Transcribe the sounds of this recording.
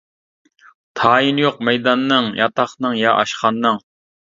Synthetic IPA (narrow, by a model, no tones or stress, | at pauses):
t̪ʰɑːjinjoqmɛjd̪ɑnːɨŋjʔɑ̰t̪ɑχnɨŋjɑʔɑʃqɑnːɨŋ